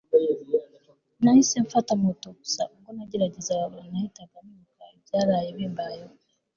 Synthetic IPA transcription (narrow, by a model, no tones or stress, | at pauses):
naisɛɱfatamotoku̥saŋɡonaɟiɾaɟizawaɾanaitakamukavjaɾajeβembajoe